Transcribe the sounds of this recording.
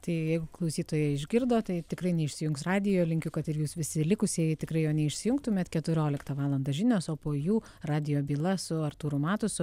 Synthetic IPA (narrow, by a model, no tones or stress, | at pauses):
t̪ɐɪjɛɪɡʊklˠɐʊsʲiːt̪oːjɛːɪʒʲɡʲɪrd̪oːt̪ɐɪt̪ʲɪkɾɐɪnʲɛɪʃʲsʲɪjʊŋksrɑːd̪ʲɪjoːlʲɪŋʲkʲʊkɐt̪ɪrjuːsʋʲɪsʲɪlʲɪkʊsʲɪjɪtʲɪkɾɐɪjoːnʲɛɪʃʲsʲɪjʊŋkt̪ʊmʲɛt̪kʲɛt̪ʊɾʲoːlʲɪkt̪ɐʋɑːlˠɐnd̪ɐʒʲɪnʲoːsoːpoːjuː | rɑːd̪ʲɪjoːbʲiːlˠɐsʊɐrt̪uːɾʊmɑːt̪ʊsʊ